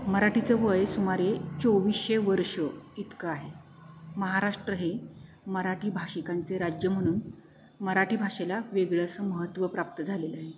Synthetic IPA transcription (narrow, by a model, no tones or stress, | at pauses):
məɾaʈit͡səʋəjsumaɾet͡soʋisɕeʋəɾʂəit̪kəaɦe | məɦaɾaʂʈɾəɦe | məɾaʈiːbʱaʂikant͡seɾad͡ʑjəm̤əɽ̃uːn | məɾaʈiːbʱaʂelaʋeɡɭəsəməɦət̪ːʋəpɾap̚t̪əd͡zʱaleləaɦe